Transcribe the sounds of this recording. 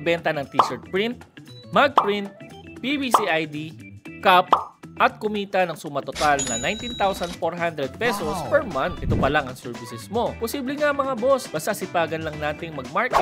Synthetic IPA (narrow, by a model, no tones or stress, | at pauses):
bɛnt̪ɐnɐŋt̪isɛɹt̪̚pɹɪnt̪̚maɡ̚pɹint̪̚pibisiʔajd̪ikapʔɐt̪̚kʊmiːt̪ɐnɐŋsumɐt̪ot̪alnɐnajnt̪int̪awsɐnd̪foɹɦand̪ɾɛd̪̚pɛsospɛɹmɐ̃nt̪ʔɪt̪opɐlaŋɐŋsɛɹvɪsɛsmo̞posiːblɛŋaɐŋmɐŋabosbɐst̪asɪpaːɡɐnlɐŋnaːt̪ɪŋmɐɡ̚maɹkɛ